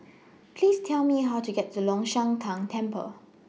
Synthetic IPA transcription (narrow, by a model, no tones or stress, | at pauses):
pʰlistʰɛlmiɦaʊtuɡɛt̚dəlɔ̃ŋʃãŋtʰãŋtʰɛ̃mpə̰